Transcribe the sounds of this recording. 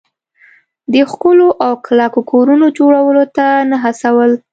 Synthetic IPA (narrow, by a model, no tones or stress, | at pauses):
d̪əxkəloʔawklakokʰoɾunod͡ʒoɽawəlot̪anaɦasawəl